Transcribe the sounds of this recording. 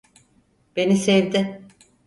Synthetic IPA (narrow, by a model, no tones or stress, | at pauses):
b̥e̞nisevd̪ɪ